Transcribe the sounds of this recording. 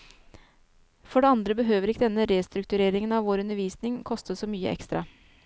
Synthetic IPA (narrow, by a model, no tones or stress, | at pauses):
fɔɖɛːɑnd̪ɾəbəɦøːʋəɾɪkːəd̪ɛnːəɾeːst̪ɾʉk̚t̪ʉɾeːɾɪŋənɑʋʋoːɾʉnəʋiːsnɪŋkʰɔst̪əsɔːmyːə̰ʔɛ̰kst̪ɾɑ